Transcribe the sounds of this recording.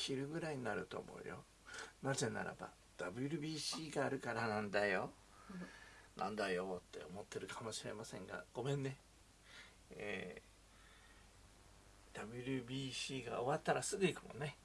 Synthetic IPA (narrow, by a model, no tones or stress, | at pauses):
çʲiɾɯ̟ɡɯ̟ɾaiɲinaɾɯ̟t̪o̞̰ːmʔo̞̰ɯ̟̰jo̞̰ | naze̞na̰ɾa̰ba̰ | d̪̥abɯ̟ɾʲɯ̟bʲiːɕiːɡaːɾɯ̟kaɾanãnd̪ajo̞ | nʔã̰nd̪ajo̞t̪ʰːe̞̰omo̞t̪ːeɾɯ̟kʰamo̞ɕiɾe̞̰masẽ̞ŋɡa̰ɡ̥o̞mẽ̞nːe̞ | eː | d̪̥abɯ̟ɾʲɯ̟bʲiːɕiːɡa̰oβat̪ːaɾasɨɡɯ̟ikɯmõ̞̰nːe̞